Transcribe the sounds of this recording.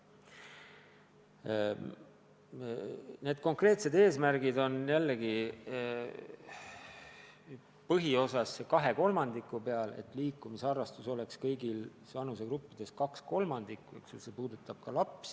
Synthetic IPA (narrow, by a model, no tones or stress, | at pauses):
ne̞ːd̪̥̚ko̞ŋkre̞ːt̪se̞d̪e̞ːsmæɾɡid̪o̞njælːeɡ̥i | pɤɦio̞sɑsːekɑɦe̞ko̞lmɑnd̪̥ikːˑupe̞ɑlḛt̪ːˑliːkˑːumiseɑrːɑst̪uso̞le̞kskɤjɡilsvɑnus̬e̞ɡrupːid̪̥e̞skɑksko̞lmɑnd̪̥ikːˑuḛksulsepuːd̪̥ut̪ːˑɑb̥kɑlɑps